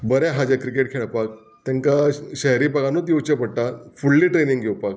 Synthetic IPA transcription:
bəɾjaɦad͡ʑakɾikeʈ̚kʰeɭapak̚ | t̪jãŋkaɕɛɦɾiːpaɡanot̪̬jowt͡ɕapəɽʈ̪afuɭːiːʈɾeniŋɡʱewpak̚

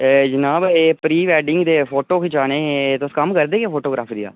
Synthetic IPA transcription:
d͡ʒənaːbeːpɾiːʋɛːɖɪŋɡd̪eːpʰoːʈoːkʰɪt͡ʃaːneːt̪ʊskəmkəɾd̪eːkeːpʰoːʈoːɡɾaːpʰd̪ija̰ː

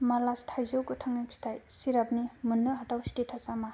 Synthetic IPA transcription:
malastʰajzowkɯtʰaŋajpʰi̥tʰajsiɾab̚nimunːɯɦatawstetʰasama

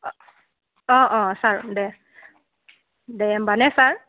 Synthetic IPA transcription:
ɔ̃ʔɔ̃saɹdɛ | dɛɛmbanɛsaɹ

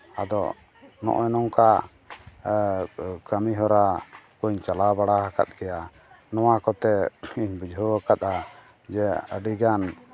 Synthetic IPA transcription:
a̰d̪ɔ | nɔ̰ʔjnɔŋka | kamiɦɔɾakuɲt͡ʃalabaɽaɦaka̰t̪̚ˀɡɛja | nɔwakɔt̪ɛiɲbid͡ʒɔəkat̪̚a | d͡ʒɛəɖiɡan

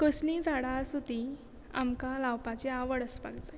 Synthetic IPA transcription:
kəslĩd͡zʱaɽasut̪i | a̰mkalawpat͡ɕeaʋəɽəspa̰ɡd͡zaj

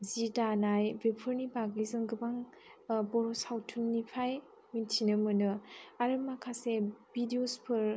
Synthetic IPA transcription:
zidanajbepʰɯɾnibaɡlizɯŋɡɯbaŋ | bɔɾɔsawtʰunːipʰaj | mintʰinɯmɯnɯaɾɯmakʰasebidiospʰɯɾ

